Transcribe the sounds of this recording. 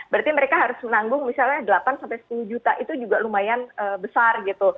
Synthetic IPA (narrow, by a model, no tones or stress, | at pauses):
bəɾart̪iməɾekaɦaɾʊsmənaŋɡʊŋmisalɲadəlapansampajsə̥puluhd͡ʒut̪aʔit̪ud͡ʒuɡalumajanəbəsarɡit̪u